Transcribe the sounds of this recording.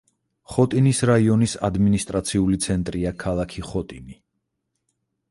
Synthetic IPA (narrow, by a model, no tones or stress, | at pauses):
χɔt̪ʼinisɾaiɔnisa̰d̪minist̪ʼɾat̪sʰiulit̪sʰɛnt̪ʼɾiakʰalˠakʰiχɔt̪ʼini